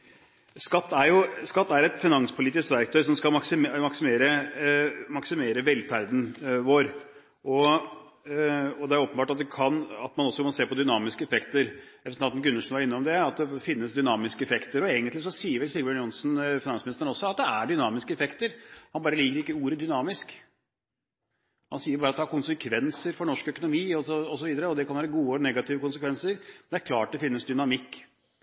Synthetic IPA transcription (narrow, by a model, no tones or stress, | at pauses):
skɑt̪ːæɾjʊskɑt̪ːæɾɛt̪fɪnɑŋspʰʊliːt̪ɪskʋæɾk̚t̪ʰœʏsɔmskɑlmɑksɪmɑksɪmeːɾə | mɑksɪmeːɾəʋɛlːfæɾd̪n̩ʋoːɾ | ʔɔ | ɔd̪ɛæɾoːpəbɑːʈɑt̪̚d̪ɛkʰɑnɑt̪mɑnɔsːɔkɑnseːpɔd̪ʏnɑːmɪskəɛfɛkt̪əɾ | ɛfsnɑnnɡɾʉnːəʂɔnʋɑɾɪnːɔmd̪ɛɑt̪̚d̪ɛfɪnːəsd̪ʏnɑːmɪskəɛfɛkt̪əɾɔeːɡənt̪lɪsɔsiːəɾʋɛlsɪlɡbənjʊnsnfɪnɑnsmɪnɪst̪əɾn̩ɔsːɔɑt̪̚d̪ɛæɖʏnɑːmɪskəɛfɛkt̪əɾhɑnbɑːɾəliːkəɾɪkːəuːɾəd̪ʏnɑːmɪsk | hɑnsiːəɾbɑːɾɑt̪d̪ɛhɑɾkʰʊnsəkʰʋɛnsəɾfɔɳɔʂkœkʊnʊmiːɔsɔɔsɔʋiːd̪əɾəɔd̪ɛkʰɑnʋæːɾəɡuːəɔnɛɡɑt̪ɪʋəkʊns̬əkʋɛnsəɾnd̪ɛæɾkʰlɑːʈ̚d̪ɛfɪnːəsd̪ʏnɑmɪkː